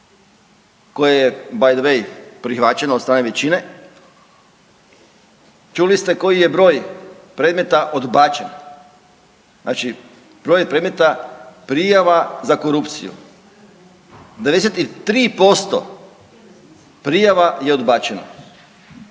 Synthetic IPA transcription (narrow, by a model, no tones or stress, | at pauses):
ko̞jejebajd̪ʋejpɾixʋat͡ɕe̞nod̪st̪ɾaːneʋet͡ɕine | t͡ʃulist̪e̞ko̞jije̞bɾo̞ːj | pɾed̪me̞t̪aʔod̪bat͡ʃen | na̰ːt͡ʃi | b̥ɾo̞ːjpɾed̪me̞t̪apɾijaʋazako̞ɾupt̪sḭjṵ | d̪eed̪eset̪it̪ɾiːpo̞st̪o̰ | pɾijaʋajeod̪baːt͡ɕeno̰